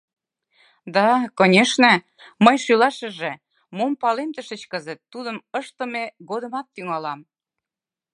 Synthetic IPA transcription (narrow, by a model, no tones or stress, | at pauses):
d̪ɑkonʲeʃnĕ | məjʃylɑʃə̆ʒĕ | mompɑlemt̪əʃə̆t͡ɕkəzə̆t̪ːud̪əməʃt̪ə̆meɣod̪ə̆mɑt̪ːyŋɑlɑm